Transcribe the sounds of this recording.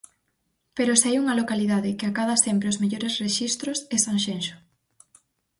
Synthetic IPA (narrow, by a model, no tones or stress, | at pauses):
peɾoseajuŋɐlokaliðaðɪkɪakaðasempɾeozmeʎoɾesreʃist̪ɾʊsesaŋʃenʃʊ̥